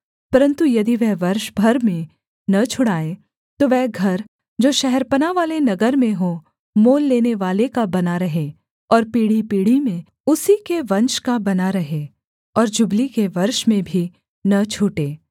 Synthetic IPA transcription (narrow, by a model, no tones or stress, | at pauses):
pɐɾə̃nt̪ujɐd̪iʋɛɦʋɐɾʃbʱɐɾmẽ | nɐt͡ʃʰʊɽaːe | t̪oʋɛɦɡʱɐɾ | d͡ʒoːʃɛɦɛɾpənaʋaːlenɐɡəɾmẽɦo | moːlːeːneʋaːlekabɐnaɾɐɦe | ɔːɾpiːɽipiːɽ̤imẽ | ʊsikeʋɐ̃nt͡ʃkabɐnaɾɐɦe | ɔːɾd͡ʒʊblikeʋɐɾʃmẽbʱi | nɐt͡ʃʰuːʈeː